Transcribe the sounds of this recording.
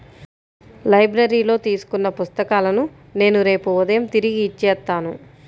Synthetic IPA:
lɐjbɾɐɾiːlo̞ːt̪iːsu̥kunːɐpust̪ɐkaːlɐnu | ne̞ːnuɾe̞ːpuud̪ɐjɐmt̪iɾiɡiːt͡ʃːɛːt̪ːaːnu

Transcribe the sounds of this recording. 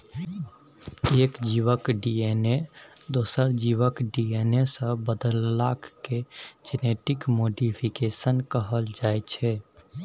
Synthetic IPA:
eːkd͡ʒiʋəkɖiene | d̪oːsəɾd͡ʒiwəkɖienesə̃bəd̪əlːakʰked͡ʒeneʈikmoːɖipʰikesənkəɦəld͡ʒaːet͡ʃʰɛ

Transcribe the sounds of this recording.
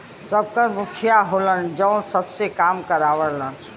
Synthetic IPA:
səb̚kəɾmʊkʰijaɦolənd͡ʒə̃səbsekaːmkəɾaːʋələn

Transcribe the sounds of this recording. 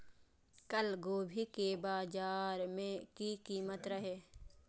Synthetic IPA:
kəlɡoːbʱikebaːd͡ʒaːɾmẽkikiːmət̪ɾəɦeː

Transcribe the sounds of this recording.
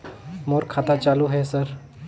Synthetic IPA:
moːɾkʰaːt̪at͡ʃaːluɦɛsəɾ

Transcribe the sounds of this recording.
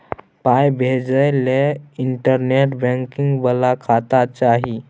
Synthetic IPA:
pajbʱed͡ʒəjleiɳʈəɾneʈbə̃ŋkiŋɡbəlakʰat̪at͡ʃaɦi

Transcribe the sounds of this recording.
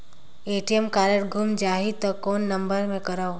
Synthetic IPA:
eːʈiəmkaːɾəɽɡʱʊmd͡ʒaːɦit̪ɔkoːnːɐ̃mbəɾmẽkɐɾao

